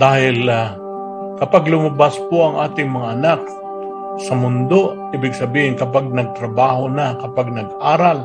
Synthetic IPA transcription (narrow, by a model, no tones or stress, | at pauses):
d̪̥aːhɪla | kɐpaɡlʊmɐbaspoʔɐŋʔa̰ːt̪ɪŋmɐŋaʔɐnak̚ | sɐmʊnd̪oʔiːbɪɡsɐbiːhɪnkɐp̬aɡ̚nɐɡ̚t̪ɾɐbaːhonakɐpaɡ̚nɐɡ̚ʔaːɾal